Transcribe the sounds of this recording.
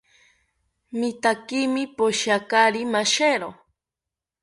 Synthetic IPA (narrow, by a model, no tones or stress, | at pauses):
mɪt̪akimipoʃakaɾimaʃeɾo